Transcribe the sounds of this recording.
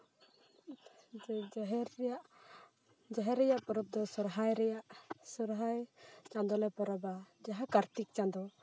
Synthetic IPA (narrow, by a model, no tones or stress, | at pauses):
ɦɾaʔ | d͡ʒaɦɛɾɛjaʔpɔɾɔp̚d̪ɔsɔɾɦajɾɛjaʔsɔɾɦajt͡ʃand̪ɔlɛpɔɾɔbad͡ʒaɦakaɾt̪ik̚t͡ʃãnd̪ɔ